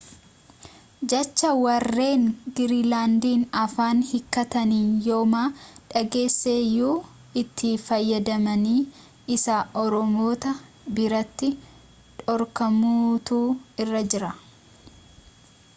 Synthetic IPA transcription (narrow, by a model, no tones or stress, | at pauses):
d͡ʒɐt͡ʃːɐwɐrːe̞ːŋɡɪɾiːlaːnd̪iːnɐfaːnhɪkːɐt̪ɐniːnjo̞ːmaːᶑɐɡe̞ːsːeːjuː | ɪt̪ʰːɪfɐjːɐd̪ɐmɐniː | ɪsaʔɔɾɔmoːt̪ɐ | bɪɾɐt̪ːɪ | ᶑɔɾkɐmuːt̪uːɪrːɐd͡ʒɪɾɐ